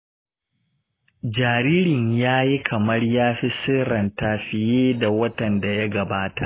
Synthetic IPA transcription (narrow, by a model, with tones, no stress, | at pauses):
d͡ʒaː˨ɾiː˦ɾɪ˨ɲjaː˦ji˦kʰɐ˨mɐ˦rjaː˦ɸi˦sɪ˦ɾɐ˨ntaː˨ɸɪ˨jeː˦da˨wɐ˦tɐ˨nda˨ja˦ɡɐ˨baː˦ta˨ʔ